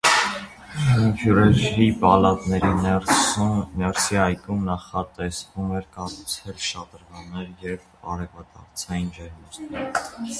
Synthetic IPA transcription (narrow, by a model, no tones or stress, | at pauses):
əmkʰjuɾɛɾipɑlɑt̪nɛɾi | nɛɾsiɑjkʰumnɑχɑt̪ɛsvumɛɾkɑrut͡sʰɛlʃɑt̪əɾvɑnːɛɾjɛv | ɑ̰ɾɛvɑt̪ɑɾt͡sʰɑjind͡ʒɛɾməɾt̪nɛɾ